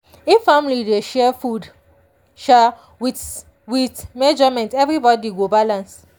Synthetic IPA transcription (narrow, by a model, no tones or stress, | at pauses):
ifãmlideʃɛfud | ʃa | wi | witmɛd͡ʒɔmɛ̃ntɛvɹibɔdiɡobalãns